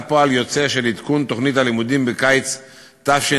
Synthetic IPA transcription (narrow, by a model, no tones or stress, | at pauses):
poaljo̞t͡seʃelid̪kunt̪o̞χnit̪halimud̪imbekajt͡s | t̪afʃe